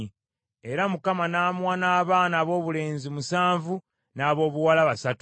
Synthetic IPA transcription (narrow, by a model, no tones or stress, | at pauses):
e̞ɾamukamanaːmwaːnaːβaːnaːβo̞ːβule̞ːnzimusaːɱvu | naːβo̞ːβuwalaβasatu